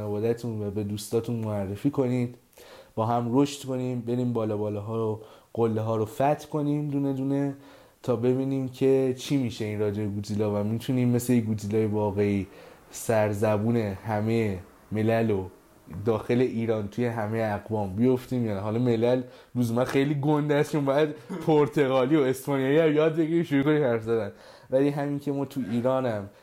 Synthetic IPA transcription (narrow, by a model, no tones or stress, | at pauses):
nevɒːd̪æt̪ʰũːnvæbe̞d̪uːst̪ɒːt̪ʰunmoærːefiːkʰo̞niːd̪̥ | b̥ɒːɦæmro̞ʃt̪kʰo̞niːmbe̞ɾiːmbɒːlɒːbɒːlɒɦɒːɾo | ɢ̥olːeɦɒːɾofæt̪ʰkʰo̞niːmd̪uːne̞d̪uːne̞ | t̪ʰɒːbe̞biːniːmcʰe̞t͡ʃʰiːmiːʃe̞inrɒːd͡ʒebeɡuːt̪ʰilɒːvæmit̪ʰuniːmme̞sleiɡuːt̪ʰilɒːjevɒːɣe̞iːsæɾzæbuːne̞hæme̞je | me̞lælo | d̪ɒːxe̞le̞ʔiːɾɒːnt̪ʰuje̞ɦæme̞jeæɣbɒːmbijo̞ft̪iːmjɒːnæɦɒlɒme̞lælɾuzemænxe̞jliːɡond̪æst͡ʃombɒjæd̪pʰoɾt̪ʰe̞ɣɒːliːoe̞spʰɒnijɒjiæmjɒːd̪̚be̞ɡiɾimʃuɾuːko̞niːmhæɾfzæd̪æn | væliɦæmincʰe̞mɒːt̪ʰuiːɾɒːnæm